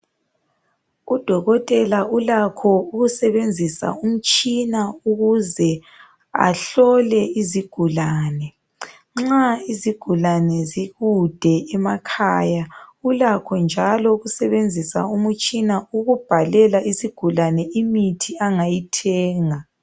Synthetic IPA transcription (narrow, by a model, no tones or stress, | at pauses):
ud̥ʱɔɣɔtʼɛlaulakʰɔuɣusɛβend͡zʱisa̰um̩t͡ʃʼinauɣuzɛ | a̰ɬɔlɛiziɡ̥ʱulaːnɛ | ŋ͡ǁaiziɡ̥ʱulanɛziɣud̥ʱɛɛmakʰaːjaulakʰɔnd͡ʒʱalɔuɣusɛβend͡zʱisa̰umut͡ʃʼinauɣub̥ʱalɛlaisiɡ̥ʱulanɛimitʰiaŋajitʰɛːŋa